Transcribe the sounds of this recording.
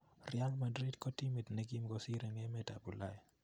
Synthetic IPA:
rja˦ŋma˨dɾi˦dkɔ˦ti˦mi˨tnɛ˦ɡi˦mɡɔ˦si˦ɾe˨ŋɛ˦mɛ˦ta˨bu˨la˦j

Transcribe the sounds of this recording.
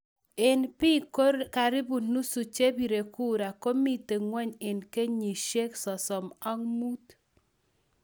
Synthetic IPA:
ɪ˨npi˦ka˨ɾɪ˦bu˨nu˦su˨t͡ʃe˦bi˨ɾe˨ku˦ɾa˨ko˦mi˦te˨ŋwɛ˦ɲɪ˨nke˦ɲi˨ʃe˦ksɔ˨sɔ˨ma˦ŋmu˦t̪

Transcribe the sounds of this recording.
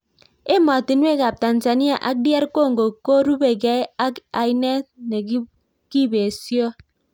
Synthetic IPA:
e˦mɔ˨ti˨n˦e˦˨ka˨p̚ta˨n˨za˨ni˦a˨ʔa˦k̚dja˦ɾko˦˨ŋɡo˨ko˦ɾu˦be˨ɡe˦a˦ka˨i˦ne˦ne˨˦ | ki˦be˨sjɔ˦

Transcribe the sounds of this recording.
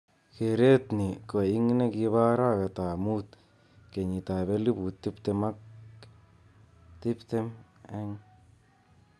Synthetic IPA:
ke˨ɾe˦t̪ni˨ko˨i˦ŋne˦ki˧βa˦ɾa˦ke˨ta˨mu˦t̪ | ke˨ɲi˨ta˨βe˦li˦bu˨t̪ːi˦pt̪e˧ma˦k | t̪i˦pt̪e˦mɛ˦ŋ

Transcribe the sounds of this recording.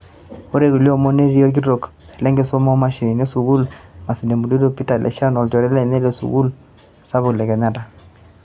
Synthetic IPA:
o˦ɾe˦ku˨ljo˦˨mɔ˦ne˦ɾi˦o˦lk̬i˦ɾo˨k | lɛ˦ŋɡɪ˨sɔ˦mɔ˦ma˨ʃi˨ni˨ne˦su˨ɡu˦lma˨si˨ne˨mu˨de˦do˦pi˦ta˨lʔɛ̰˨ʃa˦nɔ˨lt͡ʃɔ˨ɾɛ˦lɛ˦˨ne˦le˨sṵ˨ɡu˦l | sa˦βʊ˨klɛ˨kɛ˨ɲa˦ta˨

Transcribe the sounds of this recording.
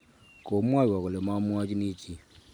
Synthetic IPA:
ko˨˦mwa˦˨wɔ˨ko˨le˨ma˦mwa˦t͡ʃi˦ni˦t͡ʃi˨

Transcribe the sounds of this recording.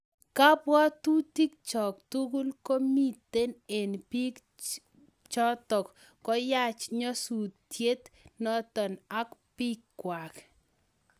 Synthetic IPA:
ka˦pwɔ˦t̪u˦t̪i˦k̚t͡ʃɔ˨kt̪u˦ɡu˦lko˦mi˦t̪e˦ne˨npi˦k | t͡ʃɔ˦t̪ɔ˨kː | ɔ˦ja˦t͡ʃɲɔ˦su˨tːje˦t̪nɔ˦t̪ɔ˨na˦kpi˦kːwa˨k

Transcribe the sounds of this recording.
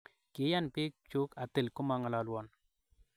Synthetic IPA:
kɪ˨˦ja˦npɪ˦k̚t͡ʃo˦ka˨tɪ˨lkʊ˦ma˦ŋa˨la˨lwɔ˨n

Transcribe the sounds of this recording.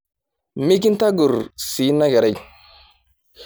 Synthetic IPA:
mi˦k̬i˦nta˦ɡu˨ɾsi˨˦nːa˦ɡa˨ɾa˦˨

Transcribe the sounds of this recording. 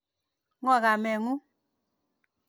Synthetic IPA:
ŋɔ˦˨ɣa˨mɛ˨ŋu˦

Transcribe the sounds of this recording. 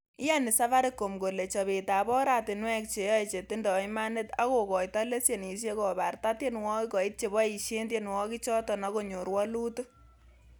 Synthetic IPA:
i˦ja˦ni˨sa˦fa˦ɾe˦kːo˨mɡo˨le˨t͡ʃɔ˨be˨ta˨bɔ˦ɾa˨tɪ˨nwɛ˦k̚t͡ʃe˨jɔ˦i˨t͡ʃe˨tɪ˦ndɔ˨i˦ma˦ne˦ta˦ko˨kɔ˨jta˦le˦sje˨n˨i˨ʃ̬je˦kɔ˨ba˨rta˦tje˦nwɔ˦i˦kɔ˨i˦t̚t͡ʃe˨bɔ˦i˨ʃe˦ndje˦nwɔ˦ki˦t͡ʃɔ˦tɔ˨na˦ko˦˨ɲo˨ɾwɔ˦lu˦tu˦

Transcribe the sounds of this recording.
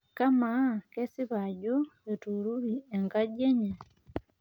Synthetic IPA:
ka˦ma˨˦kɛ˦si˦βa˨ɟo˦je˨tu˨ɾu˦ɾi˨ɛ˨ŋɡa˦ɟɛ˦ɲɛ˨

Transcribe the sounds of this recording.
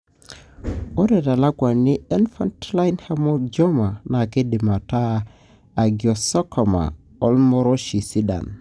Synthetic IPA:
o˦ɾe˨ta˨la˦ɡwa˨nːi˦ɛ˦nfa˦ntla˦inha˦mo˦d͡ʒo˦ma˨na˨ki˦di˨ma˨ta˦ | a˨ɡi˨o˨so˦ko˨ma̰˨ | o˦lmo˦ɾo˦ʃi˨si˦da̰˨n

